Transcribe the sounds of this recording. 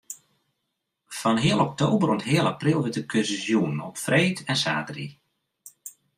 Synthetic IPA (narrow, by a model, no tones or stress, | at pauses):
fɔnɦɪəlˠɔk̚towbəɾɔtɦɪəlˠaprilˠʋɪtəkʰøszjuənɔpfreːtʰɛnsa̰ːdrḭ